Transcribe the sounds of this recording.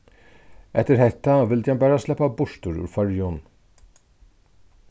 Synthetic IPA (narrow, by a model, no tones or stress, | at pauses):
ɛt̪əɾhɛt̪ːavɪlt̪ʰjanbæːɾaslɛpːabʊʂt̪ʊɹʉ̰ɾfœɹjʊn